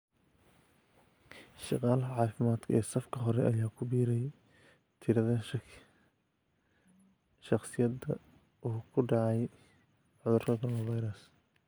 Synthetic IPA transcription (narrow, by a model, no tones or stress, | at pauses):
ʃɑqɑːlʕɑːfɪmaːd̪kʰɐɛːsɐfkʰɐɦɔɾɛʔɐjaːkʰʊbiːɾɛj | t̪ʰɪɾɐðɐʃ | ʃɑχsɪjɐd̪ɐ̰ | uːkʰʊɖɑʕɑj | ʕʊðʊrkʰɐkʰɔɾlvɐjɾɐs